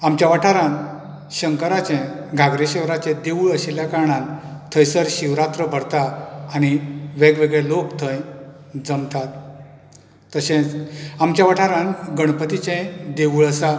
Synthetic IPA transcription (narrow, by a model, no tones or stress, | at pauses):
amt͡ɕjaʋəʈʰaɾãn | ɕəŋkəɾat͡ɕẽɡʱaɡɾeɕɛʋɾat͡ɕẽd̪eʋuɭəɕeljakaɾɳãnt̪ʰəjsəɾɕiʋɾat̪ɾəbʱəɾt̪aːñiʋeɡʋeɡɭelokt̪ʰə̃j | d͡zəmt̪at̪̚ | əɕẽamt͡ɕjaʋəʈʰaɾãnɡəɳ̃pət̪it͡ɕẽd̪eʋuɭəsa